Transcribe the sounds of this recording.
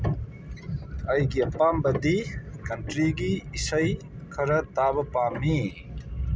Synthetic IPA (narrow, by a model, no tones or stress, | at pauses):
ɐjɡiɐpambɐd̪ikɐntɾiɡiːsɐj | kʰɐɾɐtabɐpamːi